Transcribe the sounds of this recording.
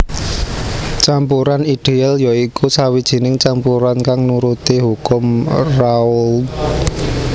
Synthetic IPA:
t͡ʃampuɾaniɖ̥ealjaikusawid̥ʒ̥i̤nɪŋt͡ʃampuɾankaŋnuɾut̪iɦukʊmraʊl

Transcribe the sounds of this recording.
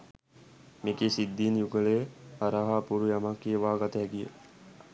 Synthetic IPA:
mekeːsid̪ːiːnjuɡəlejəaɾaɦaːpuɾujamakːiəʋaːɡat̪əɛɡijə̰

